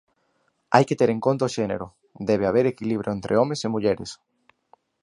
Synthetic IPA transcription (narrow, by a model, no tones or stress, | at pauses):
ajket̪eɾeŋkont̪aoʃenḛɾʊ | d̪eβeaβ̞eɾekiliβ̞ɾjoent̪ɾʔeomesemuʎeɾḛs